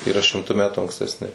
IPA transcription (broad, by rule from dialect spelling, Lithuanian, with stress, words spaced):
iːˈrɐ ʃʲɪmˈtʊ ˈmʲæːtʊ ɐŋksʲtʲɛsʲˈnʲɪ